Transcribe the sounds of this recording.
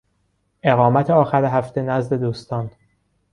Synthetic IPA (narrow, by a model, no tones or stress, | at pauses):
ʔe̞ɣɒːmæt̪ʰeɒːxæɾeɦæft̪enæzd̪e̞d̪uːst̪ɒːn